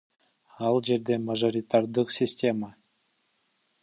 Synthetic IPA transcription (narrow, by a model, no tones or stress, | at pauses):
ɑlˠʒe̞ɾd̪e̞maʒo̞ɾʲit̪aɾd̪əqsʲisʲtʲe̞ma